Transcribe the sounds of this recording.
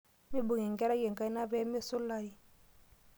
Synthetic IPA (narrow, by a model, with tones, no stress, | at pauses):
mi˦bu˨ŋi˨ŋ˨ɡɛ˦ɾɛ˦je˨ŋka˦i˦na˦vɛ˦m˦e˦˨su˦la˦i˦